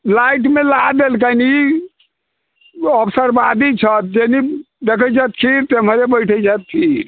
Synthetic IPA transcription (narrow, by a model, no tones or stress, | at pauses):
laiʈmelaad̪elk̬ani | əpʰsəɾbad̪it͡ʃʰət̪̚d͡ʒeni | d̪ekʰət͡ʃət̪kʰiɾt̪eməɾebəjʈʰət͡ʃat̪̚kʰiɾ